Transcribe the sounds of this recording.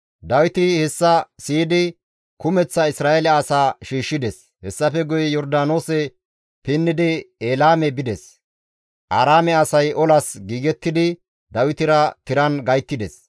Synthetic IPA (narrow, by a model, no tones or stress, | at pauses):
d̪ɐwɪt̪ɪhɛsːɐsiːd̪ɪ | kʊmɛt͡sːɐɪsɾaːɛlɛɐsaːʃiːʃːɪd̪ɛs | hɛsːɐfɛɡʊjɛjɔɾd̪aːno̞ːsɛ | pɪnːɪd̪ɪeːlaːmɛbɪd̪ɛs | ʔaːɾaːmɛɐsɐjʔɔlɐsɡiːɡɛt̪ːɪd̪ɪ | d̪ɐwɪt̪ɪɾɐt̪ɪɾɐnɡɐjt̪ːɪd̪ɛs